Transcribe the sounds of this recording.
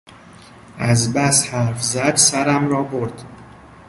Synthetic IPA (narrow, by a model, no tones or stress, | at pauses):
æzbæshæɾfzæd̪sæɾæmɾɒːboɾd̪̥